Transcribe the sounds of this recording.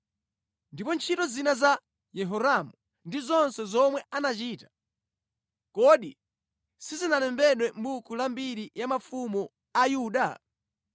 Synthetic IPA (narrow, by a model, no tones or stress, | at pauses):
ndipɔnt͡ʃʰitɔzinaza | jɛɦɔɾamu | ndizɔnsɛzɔmwɛʔanat͡ʃiːtḁ | kɔɗi | sizinalɛmbɛɗwɛmbukʰulambiɾijamafumɔ | ajuːɗa